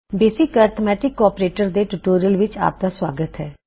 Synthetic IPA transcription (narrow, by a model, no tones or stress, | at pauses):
beːsɪkaːɾt̪ʰmɛːʈɪkːɔːɾpɾeːʈəɾd̪eːʈuʈoːɾijəlʋɪt͡ʃa̰ːp̚d̪aːswaːɡət̪ɦɛː